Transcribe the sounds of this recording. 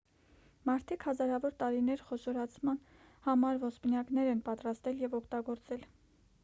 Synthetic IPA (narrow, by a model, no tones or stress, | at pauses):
mɑɾt̪ʰikhɑzɑɾɑvɔɾt̪ɑɾinɛɾχɔʃɔɾɑt͡sʰmɑn | hɑmɑɾvɔspnjɑknɛɾɛnpɑt̪ɾɑst̪ɛljɛvɔkʰt̪ɑɡɔɾt͡sɛl